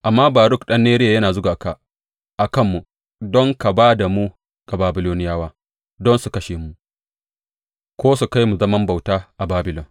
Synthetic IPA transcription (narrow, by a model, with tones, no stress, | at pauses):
ʔa˨mːaː˦baː˨ɽʊ˦kɗɐ˦nːeː˦ɾɪ˦ja˨jɐ˦naː˨zʊ˦ɡaː˨ka˨ | ʔa˨kɐ˦˨mːu˨ | dɔ˦ŋka˨baː˦da˨mu˦ | ɡ̥a˨baː˨bʊ˨loː˦nɪ˦jaː˦waː˦ | dɔ˦nsu˨kɐ˦ʃeː˨mu˦ | kʷoː˦su˨ka˦jmu˨zɐ˦mɐ˦mba˨wtaː˦ʔa˨baː˦bɪ˨lɔ˨ŋ